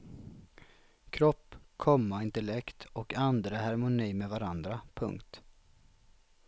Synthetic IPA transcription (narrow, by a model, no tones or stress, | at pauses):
kʰɾɔpːkʰɔmːaɪnt̪əlɛkt̪ɔkand̪ɾəɦaɾmʊniːmevaɾand̪ɾapʰɵ̰ŋkt̪